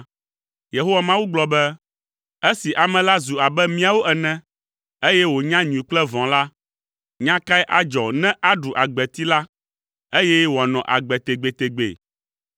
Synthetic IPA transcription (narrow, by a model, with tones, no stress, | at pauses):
je˨ɦo˦wa˨mã˦wu˦ɡ͡blɔ˨bɛ˦ | e˦si˨ʔa˨mɛ̃˨la˦zu˨a˨bɛ˦mĩ˦a˨wo˦ʔɛ˨nɛ̃˦ | e˦jɛ˦wo˨ɲã˦ɲũ˨ĩ˨k͡plɛ˦vɔ̃˨la˦ | ɲã˦ka˦ɛ˦ʔa˨d͡ʒɔ˨nɛ̃˦ʔa˦ɖu˨ʔa˨ɡ͡bɛ˨t̪i˦la˦ | e˦jɛ˦wo˨a˨nɔ̃˨ʔa˨ɡ͡bɛ˨t̪e˨ɡ͡be˨t̪e˨ɡ͡bḛ˨